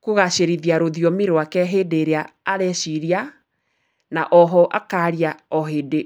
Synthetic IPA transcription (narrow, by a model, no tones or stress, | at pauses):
koɣaɕeɾiðiaɾoðijɔmeɾoakɛɦedeɾeaːɾɛɕiɾia | naʔɔɦɔʔakaɾiaɔɦede